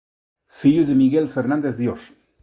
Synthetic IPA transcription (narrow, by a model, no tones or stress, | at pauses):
fiʎuðemiɣelfeɾnãnd̪eθðjos